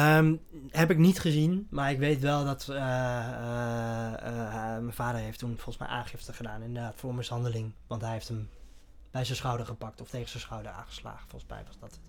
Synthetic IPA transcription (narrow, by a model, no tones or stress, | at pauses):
əm | ɦɛpɪknitχəzinmaɹɪkʋejtʋɛlˠdɑt | mɛnvaːdəɹɦejftunfɔlˠsmɛ̰jʔa̰ːŋχɪftəχədaːnɪndədaːtfʊːɹməsɑndəlɪŋʋɑntɦɛjɦeftɦəm | b̥ɛjzənsχɔwdəɹχəpɑk̚tɔftejχənsənsχɔwdəɹa̰ːχə̥sla̰ːχəfɔlˠəsmɛ̰jʋɑzdɔt